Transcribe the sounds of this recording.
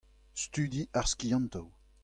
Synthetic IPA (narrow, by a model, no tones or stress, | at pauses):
st̪yd̪iʔaʁskijɑ̃nt̪ow